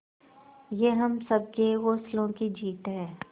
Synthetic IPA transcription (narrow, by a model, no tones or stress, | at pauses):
jeɦɐmsɐb̚keɣoːslõkid͡ʒiːt̪ɦɛ̃ː